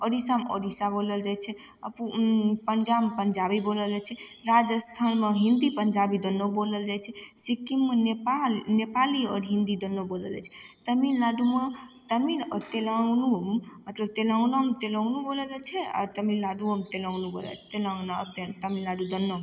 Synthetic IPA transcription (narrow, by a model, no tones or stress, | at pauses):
əɾisamə̰ɾisaboləld͡ʒajt͡ʃʰɛ | ə̰pupəɲd͡ʒampəɲd͡ʒabiboləld͡ʒat͡ʃʰɛ | ɾad͡ʒəst̪ʰanmeɦĩnd̪ipəɲd͡ʒabid̪ənːoboləld͡ʒajt͡ʃʰɛsikimːenepanepaliɔɾɦind̪id̪ənːobolə̰lɛ̰t͡ʃʰɛt̪əmillaɖume | t̪əminət̪elənummət̪ləb̚t̪eləwnəmt̪eləwnuboləld͡ʒat͡ʃʰɛɔ̰ɾt̪əmilːaɖuəmt̪eləwnubo̰lə̰t̪elənat̪et̪əmillaɖud̪ənːom